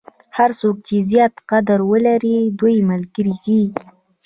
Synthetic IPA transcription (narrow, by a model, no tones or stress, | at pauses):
haɾsok̚t͡ʃezjɑt̪qad̪aɾwəlaɾid̪ujməlɡəɾiɡi